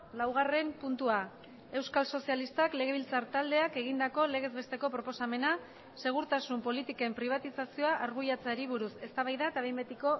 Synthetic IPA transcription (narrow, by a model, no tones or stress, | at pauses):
lawɣ̞are̞mpunt̪ua | e̞wskalso̞sialist̪akle̞ɣ̞e̞β̞ilt͡saɾt̪ald̪e̞ake̞ɣ̞ind̪ako̞le̞ɣ̞e̞zβe̞st̪e̞ko̞pɾopo̞same̞na | se̞ɣ̞uɾt̪asumpo̞lit̪ike̞mpɾiβ̞at̪isasio̞aʔːɾɣujat͡saɾiβ̞uɾuse̞st̪aβajðaet̪aβejmbet̪iko̞